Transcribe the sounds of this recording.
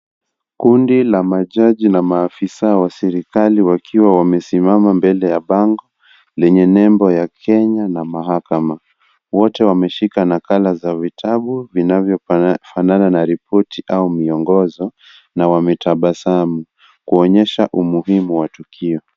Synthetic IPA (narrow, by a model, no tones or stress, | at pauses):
kundilamaʄaʄinamaːfisawasɛɾikaliwakʰiwawamɛsimamambɛlɛjaɓaŋɡɔ | lɛɲɛnɛmbɔjakʰɛɲanamaɦakama | wɔtɛwamɛʃikanakalazavitʰaɓuvinavjɔfanananaɾipʰɔtiʔaumiɔŋɡɔzɔ | nawamɛtʰaɓasamu | kuɔɲɛʃaʔumuɦimuwatukʰiɔ